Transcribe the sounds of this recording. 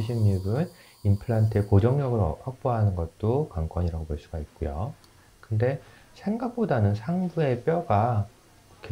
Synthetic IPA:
iɕʰiŋɲibɯn | impʰɯɭantʰɯekod͡ʑʌŋɲʌɡɯɭʌhak̚p͈oɦanɯnɡʌt̚t͈okwaŋk͈wʌɲiɾaɡopoɭs͈uɡait̚k͈ojo̰ | kɯnde̞ | sʰe̞ŋɡak̚p͈odanɯnsʰaŋbue̞p͈jʌɡa | kʰe

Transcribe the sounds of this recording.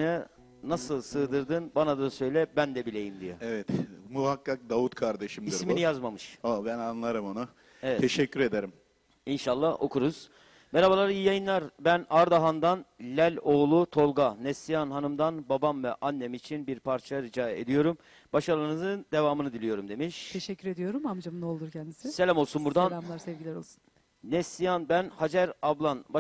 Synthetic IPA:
ɛ | nasɯlˠsɯːd̪ɯɾd̪ɯnbanad̪asø̞jlʲɛbænd̪ɛbilʲe̞jimd̪ijɛevɛt̪muɦakːak̚d̪avut̪̚kʰaɾd̪eʃimdiisminijazmamɯʃobænanlˠaɾɯmonu | evɛt̪ʰeʃɛcʲːyɾed̪eɾim | inʃalˠːaho̞kʰuɾuz̥ | beɾabalˠaɾijijajɯnlˠaɾbænaɾd̪aɦand̪anlʲælʲo̞ːlˠut̪ʰo̞lˠɡanɛsijanɦanɯmd̪anbabamvɛʔanːemiːt͡ʃʰinbiɾpʰaɾt͡ʃʰaɾid͡ʒaːḛd̪ijo̞ɾum | baʃalˠaɾɯnɯzɯnd̪e̞vaːmɯnɯd̪ilʲijo̞ɾumd̪e̞miʃt̪ʰeʃɛcʰːyɾed̪ijo̞ɾumamd͡ʒamɯno̞lˠd̪uɾcʰɛnd̪i̥sɪselʲamo̞lˠsunbuɾd̪anʲamlˠaɾsɛvɟilʲæɛɾolˠsu̥nː | ɛsijanbænhad͡ʒæɾablˠanba

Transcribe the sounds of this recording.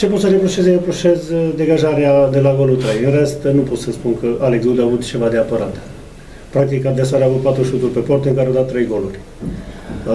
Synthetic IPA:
t͡ʃe̞pot̪səɾepɾuʃezeɾepɾuʃe̞zd̪e̞ɡaʒaɾead̪e̞laɡo̞lut̪ɾejɨnre̞st̪nupo̞t̪səspunkəaleksud̪avut̪t͡ʃe̞vad̪eapəɾat̪ | pɾak̚t̪ikad̪esoaɾeavut̪̚pat̪ɾuʃut̪urʲpe̞po̞rt̪ɨŋkaɾeawd̪at̪ːɾe̞jɡo̞lurʲ

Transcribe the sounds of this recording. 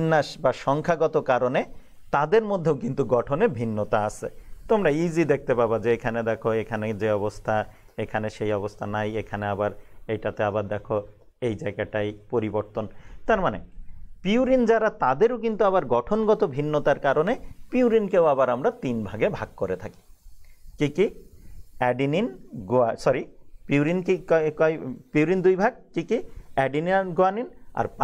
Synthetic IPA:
nːaʃbaʃɔŋkʰaɡɔt̪okaɾone | t̪ad̪eɾmod̪ʱːeokint̪uɡɔʈʰonebʱinːot̪aasʰḛt̪omɾaid͡ʑid̪ek̚t̪epabad͡ʑeekʰaned̪ɛkʰoekʰaned͡ʑeɔbost̪ʰa | ekʰaneʃejɔbost̪ʰanajekʰaneabaɾejʈat̪eabaɾd̪ɛkʰo | ejd͡ʑaeɡaʈajpoɾiboɾt̪ont̪aɾmanepiuɾind͡ʑaɾat̪ad̪eɾok̬int̪uaβaɾɡɔʈʰonɡɔt̪obʱinːot̪aɾkaɾonepiuɾinkewaβaɾamɾat̪inbʱaɡebʱaɡ̚koɾet̪ʰaki̥kiki | ɛɖininɡoasɔɾipiuɾinkikkɔjpiuɾind̪ujbʱaɡ̚kikiɛɖiniɡoanina̰ɾpa

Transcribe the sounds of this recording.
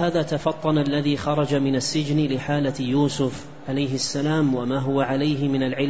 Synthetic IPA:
haːðaːt̪afɑt̪ˤːɑnalːaðiːxɑɾˤɑd͡ʒamɪnasːɪd͡ʒnlɪħaːlajuːsʊf | ʕalajɦɪsːalaːmwamaːɦʊwaʕalajɦɪmɪnalʕɪl

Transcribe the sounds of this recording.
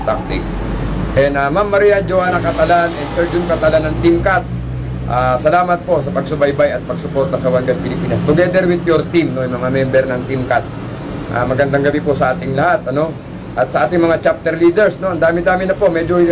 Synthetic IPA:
t̪a̰k̚t̪ɪ̰s | ʔɛnd̪amamːɐɾijand͡ʒoanɐkɐt̪ɐlanʔɛnsɛɹd͡ʒʊnkɐt̪ɐlanːɐŋt̪ɪmkat̪s | ʔasɐlaːmɐt̪̚po̞sɐpɐɡsʊbajbajɐt̪̚pɐɡsʊpo̞ɾt̪ɐsɐwaŋɡɐd̪̚pɪlɪpiːnɐst̪ʊɡɛd̪ɛɾwɪnt̪joɾt̪ɪmnojmɐŋamɛmbɛɾnɐŋt̪ɪmkat̪s | ʔa̰mɐɡɐnd̪aŋɡɐbipʊsɐʔaːt̪ɪŋlɐhat̪ʔɐno̞ | ʔɐt̪̚sɐʔaːt̪ɪŋmɐŋat͡ʃap̚t̪ɛɾliːd̪ɛɹsno̞ɐnd̪aːmɪd̪aːmɪnɐpo̞ʔmɛd͡ʒo

